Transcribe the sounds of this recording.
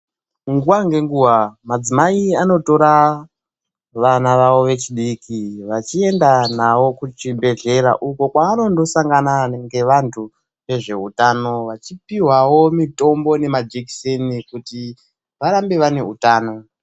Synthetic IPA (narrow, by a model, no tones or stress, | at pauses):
ŋɡuwaŋɡe̞ŋɡuːwamad͡zimaiano̞to̞ɾa | ʋanaʋaʋo̞ʋe̞t͡ʃiɗikiʋat͡ʃie̞ndanawo̞kut͡ʃibʱe̞ɮe̞ɾa̰ʔuko̞kwaano̞ndo̞saŋɡanaŋɡe̞ʋantʰu | ʋe̞ʐe̞̰utano̞ʋat͡ʃipiwawo̞mito̞mbo̞ne̞mad͡ʒeksenikuti | ʋaɾambeʋane̞utaːno̞